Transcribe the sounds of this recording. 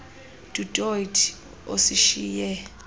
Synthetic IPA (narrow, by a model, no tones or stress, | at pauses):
tʼutʼojtʰ | o̰siʃiːjɛ